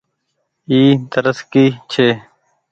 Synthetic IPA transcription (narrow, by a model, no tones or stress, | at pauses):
iːt̪əɾəskiːt͡ɕʰeː